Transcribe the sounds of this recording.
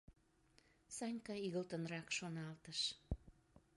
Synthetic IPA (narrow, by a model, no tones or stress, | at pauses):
sɑnʲkɑiɣəlt̪ənrɑkʃonɑlt̪əʃ